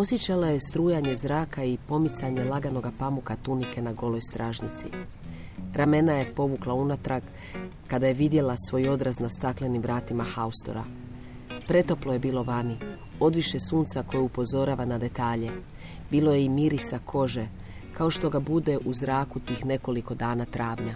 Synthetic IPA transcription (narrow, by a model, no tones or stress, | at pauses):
o̞sjet͡ɕalaje̞st̪ɾuːjaɲe̞zɾaːkaipo̞mit̪saɲe̞laɡano̞ɡapamukat̪unike̞naɡo̞lo̞jst̪ɾʔaːʒnit̪sḭ | ɾame̞naje̞po̞ʋuklaunat̪ɾaɡ | kad̪ajeʋid̪je̞lasʋo̞jo̞d̪ɾaznast̪akle̞nimʋɾaːt̪imaxaust̪o̞̰ɾa̰ | pɾe̞t̪o̞plo̞je̞biːlo̞ʋani | o̞d̪ʋiʃe̞suːnt̪sako̞jupo̞zo̞ɾaːʋanad̪e̞t̪aːʎe̞ | biːlˠo̞jeimiɾisakʰo̞ʒe̞ | kao̞ʃt̪o̞ɡabud̪e̞ʔuzɾaːkut̪iːxne̞ko̞liko̞d̪aːnat̪ɾʔaːʋɲa